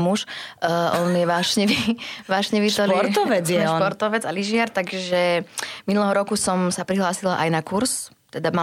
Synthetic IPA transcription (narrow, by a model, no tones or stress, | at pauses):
muʃʔɔnjɛʋaːʃɲɛʋiʋaːʃɲɛʋiɔɔɾt̪ɔʋɛd͡zjjɛʃɔnpɔɾt̪ɔʋɛd͡zaliʒɪaɾt̪aɡʒɛminulɛɦɔɾɔkusɔmsapɾiɦlaːsilaʔajnakuɾs | t̪ɛd̪ama